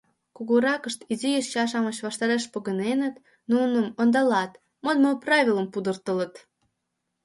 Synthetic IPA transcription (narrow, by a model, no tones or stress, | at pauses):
kuɣoɾɑkəʃt̪izijəʃt͡ɕɑʃ̬ɑmət͡ɕβɑʃt̪ɑɾeʃpoɣənenət̪ | nunəmond̪ɑlɑt̪ | mod̪moprɑvʲiləmpud̪ərt̪ələt̪